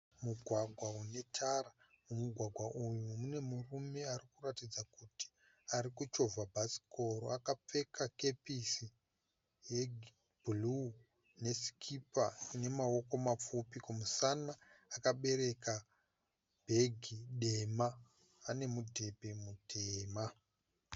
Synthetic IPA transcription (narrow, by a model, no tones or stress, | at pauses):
muɡʱwaɡʱwaune̞tʰara | mumuɡʱwaɡʱwaʔujumune̞murume̞arikuratid͡zakuti̥ | aɾikut͡ʃo̞vʱabʱasi̥ko̞ɾo̰akap͡fe̞kake̞pisi | jeɡ | b̥ʱulu | ne̞si̥kʰipa̰ne̞mawo̞ko̞map͡fupikumusanaakaɓe̞ɾe̞ka | bʱe̞ɡʱiɗe̞maː | ne̞mudʱe̞bʱe̞mudʱeːma